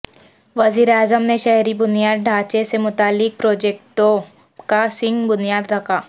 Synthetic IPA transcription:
ʋɐziːɾeaːzəmneʃɛɦɾibʊnijaːd̪̚ɖʱaːt͡ʃesemʊt̪aːlːɪk̚pɾoːd͡ʒeːk̚ʈõ | kasɪ̃ŋɡbʊnijaːd̪ɾɐkʰaː

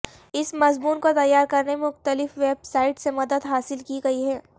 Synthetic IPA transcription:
ɪsmɐzmuːnkot̪ɐjːaːɾkɐɾnemeʊxt̪əlɪfʋeːbsaːɪʈsemɐd̪əd̪ɦaːsɪlkiɡɐiɦɛː

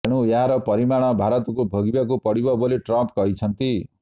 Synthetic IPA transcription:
eɽujaɦaɾʌpʌɾimaɽ̃ʌbʱaɾʌt̪kobʱʌɡibak̬opʌɽibʌboleʈrʌmpkʌɦjt͡sʰʌnt̪i

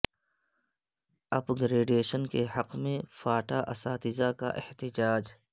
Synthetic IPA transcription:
ɐbɡɾeːɖeːʃənkehɐqmẽfaːʈaʔɐsaːt̪ɪzaka̰ʔɪht̪ɪd͡ʒaːd͡ʒ

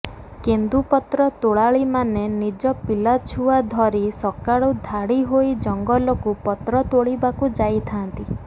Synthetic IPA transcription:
kend̪upɔt̪ɾɔt̪oɭaɭimanenid͡ʒɔpilat͡ʃʰuad̪ʱɔɾisɔkaɽud̪ʱaɽiɦoid͡ʒɔŋɡɔlɔkupɔt̪ɾɔt̪oɭibakud͡ʒajt̪ʰant̪i

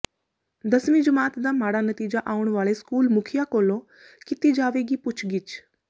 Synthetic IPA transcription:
d̪ɐsmĩd͡ʒʊmaːt̪d̪aːmaːɽanət̪iːd͡ʒaʔaːʊɽ̃ʋaːɭeskuːlmʊkʰijakoːlõ | kɪt̪id͡ʒaːʋeɡipʊt͡ʃʰɡɪt͡ʃ

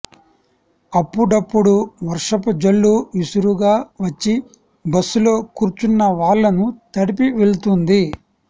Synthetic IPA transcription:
ɐpːuɽɐpːuɽuʋɐɾʂɐpud͡ʒɐɭːuisuɾuɡaːʋɐt͡ʃːi | bɐsːulo̞ːkuːɾt͡ʃunːɐʋaːɭːɐnut̪ɐɽipiʋeɭut̪und̪i

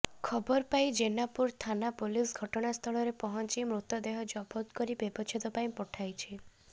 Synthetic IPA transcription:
kʰɔbɔɾpajd͡ʒenapuɾt̪ʰanapulisɡʱɔʈɔɽ̃ast̪ʰɔɭɔɾepɔɦɔnt͡ʃimɾut̪ɔd̪eɦɔd͡ʒɔbɔt̪kɔɾibebɔt͡ʃʰit̪ɔpaĩpɔʈʰajt͡ʃʰi

